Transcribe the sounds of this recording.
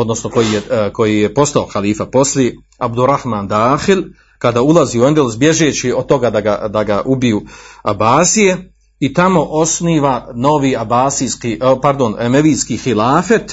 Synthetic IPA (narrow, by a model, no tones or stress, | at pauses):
o̞d̪no̞sno̞ko̞jijeko̞jijepo̞st̪aoxaliːfapo̞slje | abd̪uɾahmaːnd̪aːxil | kad̪aːulˠaziːuend̪eluzbje̞ʒeːt͡ɕiod̪t̪o̞ɡaːd̪aɡa̰d̪aɡaʔubijuːabaːsije̞ | it̪amo̞ʔo̞sniːʋano̞ʋiːabaːsiskipaɾd̪o̞nemeʋiːskixilaːfet̪